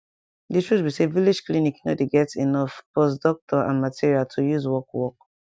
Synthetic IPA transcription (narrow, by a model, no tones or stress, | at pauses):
ditɹusbisevilid͡ʒklinikno̰deɡɛtinɔfbɔs̬dɔk̚tʰɔã̰nmatʰiɹialtʰujuzwɔkwɔk̚